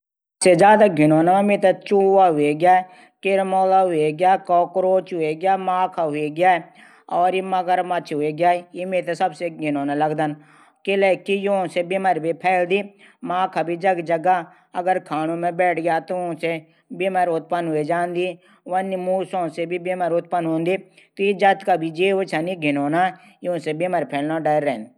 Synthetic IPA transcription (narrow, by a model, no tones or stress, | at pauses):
sed͡ʒaːd̪aːɡʱɪnoːnamẽmẽːt̪at͡ʃuːʋaːɦʊeɡɪjaː | kɪɾmoːlaːɦʊeɡɪjaːkɔːkɾoːt͡ʃɦʊeːɡɪjaːmãːkʰaɦʊeːɡɪjaːe | ɔːɾiməɡəɾmət͡ʃʰɦʊeːɡjaːemẽːt̪asəbseɡʱɪnoːnaləɡd̪ən | kɪlɛːkijõsebɪməɾbipʰɛːld̪iː | mãːkʰaːbʱiːd͡ʒəɡd͡ʒəɡaː | əɡəɾkʰaːnõːmẽbɛːʈʰɡjaːt̪õse | bɪməɾʊt̪̚pənɦʊed͡ʒãːnd̪iː | ʋənimuːsõːsebibeːməɾʊt̪̚pənɦõːnd̪iːt̪ojid͡ʒət̪kaːbʱid͡ʒeːot͡ʃʰaniɡʱɪnoːnaː | jõsebeməɾpʰɛːlnaɖəɾːɛnd̪i